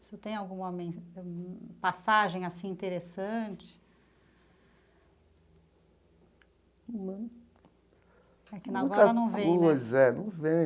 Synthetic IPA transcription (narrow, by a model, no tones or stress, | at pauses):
sɪewt̪ẽj̃awɡũõmẽj̃ | pasaʒẽj̃asĩĩnt̪eɾesɐ̃t͡ʃɪ̥ | mɐ̃n | ɛkɪnaɡ̃ɡɔɾɐɾɐnɐ̃w̃vẽjõzɛnɐ̃w̃vẽ